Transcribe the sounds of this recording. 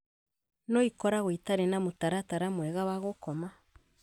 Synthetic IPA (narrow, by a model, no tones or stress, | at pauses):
noikɔɾaɣwitaɾenamutaɾataɾamwɛɣawaɣokɔma